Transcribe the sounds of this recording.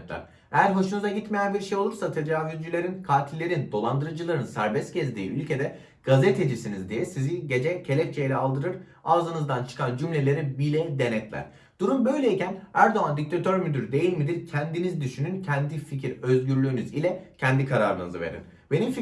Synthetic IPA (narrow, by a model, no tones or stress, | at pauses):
t̪lʲæ̰ɾ | ejæɾɦo̞ʃunuzaɟit̪me̞jænbiɾʃe̞jo̞lˠuɾsat̪ʰe̞d͡ʒaːvyd͡ʒyilʲe̞ɾinkʰaːt̪ʰilʲːe̞ɾind̪o̞lˠand̪ɯɾɯd͡ʒɯlˠaɾɯnsæɾbɛst̪ɟɛzd̪iːylʲcʰe̞d̪ɛ | ɡ̥azet̪ʰe̞d͡ʒisinizd̪ijɛsiziɟe̞d͡ʒɛcʰe̞lʲɛc̚t͡ʃʰejlʲɛalˠd̪ɯɾɯɾ̥ | aːzɯnɯzd̪ant͡ʃʰɯ̥kʰand͡ʒymlʲe̞lʲe̞ɾibilʲɛd̪e̞nɛt̪lʲæ̰ɾ̥ | d̪̥uɾumbø̞jlʲeicʰænæɾd̪o̞and̪ic̚t̪ʰat̪ʰø̞ɾmyd̪yɾd̪e̞jilʲmid̪iɾcʰænd̪inizd̪yʃynyncʰænd̪ificʰiɾø̞zɟyɾlʲyːnyzilʲɛcʰænd̪ikʰaɾa̰ːɾɯnɯzɯ̰ve̞̰ɾḭn | be̞nimfi